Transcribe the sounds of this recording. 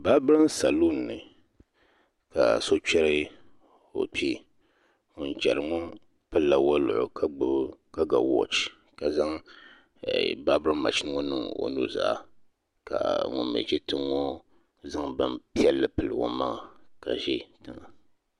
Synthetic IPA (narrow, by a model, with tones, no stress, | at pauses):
ba˦bɨ˦ɾa˦n˦sa˨lo˦nː˨ɨ˨ | ka̰˨so˦t͡ʃɛ˦ɾɨ˦ | o̰˨pi˦ | ŋɔ˨n˨t͡ʃɛ˨ɾɨ˨ŋɔ˦ | pɨ˦lla˨wa˦lʊ̰˨ʔʊ̰˨kka˦ɡa˨wɔ̰˦t͡ʃ | ka˨za˦ŋ˨ | ba˦bɨ˦ɾɨ˦m˦ma̰˨t͡ʃɪ˦nɨ˦ŋɔ˦nɨ̰˦ŋo̰˨nṵ˦za̰˦˨ʔ | ka̰˨ŋʊ̰˦mɛ̰˨t͡ʃɛ˦tɨ˦ŋɔ˦ | za˦ŋbɨ˦mpi˦ɛ˦lːɨ˨pɨ˨lɨ˨ŋo̰˨˦ma˦ŋa˨ka̰˨ʒɪ˦tɨ˨ŋa˨